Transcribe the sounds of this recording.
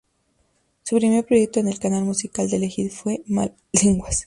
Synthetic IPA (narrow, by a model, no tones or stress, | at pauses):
supɾime̞ɾpɾo̞ʝe̞k̚t̪o̞ene̞lkanalmusikald̪elexiðfwe̞ma̰ | leŋɡwas